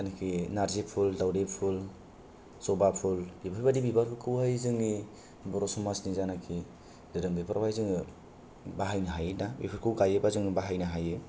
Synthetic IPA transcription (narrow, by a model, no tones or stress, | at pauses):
anakʰinaɾzepʰuldawdepʰul | sɔbapʰulbibaɾbadibibaɾkʰɯkʰɯwhajzɯŋi | bɔɾɔsɔmasnizanakʰi | dɯɾɯmbipʰaɾbajzɯŋɯ | baɦajnaɦajnabipʰaɾkʰɯwɡajebazɯŋbaɦajnaɦajɯ